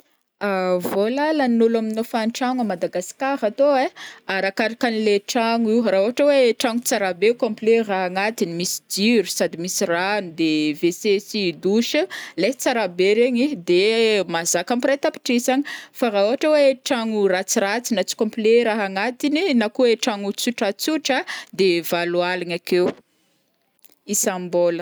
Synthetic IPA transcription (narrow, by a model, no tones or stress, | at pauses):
avolalannulaminofanʈ͡ʂaŋamad̪aɡaskaɾat̪oeaɾakaɾakanileʈ͡ʂaŋiwrauaʈ͡ʂaweʈ͡ʂaŋut͡saɾabekõmpleraɦaŋat̪inimisi̥d͡ʒiɾusad̪imisiranud̪evesesid̪uʃəlet͡saɾabeɾeɲid̪emazakampret̪api̥ʈ͡ʂizaɲifaɾaɦuaʈ͡ʂaweʈ͡ʂaŋurat͡sirat͡sinat͡si̥kõmpleɾaɦaŋat̪ininakueʈ͡ʂaŋut͡suʈ͡ʂat͡suʈ͡ʂəd̪evalualanakew | isambolə